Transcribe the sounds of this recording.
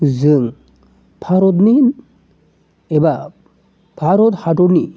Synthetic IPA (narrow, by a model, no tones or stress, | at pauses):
zəŋ | bʰʱaɾot̪̬nin | eba | b̥ʰʱaɾot̪haʈoni